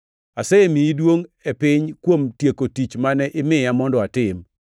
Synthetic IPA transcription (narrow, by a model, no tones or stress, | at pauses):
asɛemiidwoŋepɪɲkwomtjekotit͡ʃmanɛʔɪmɪjamɔndɔatɪm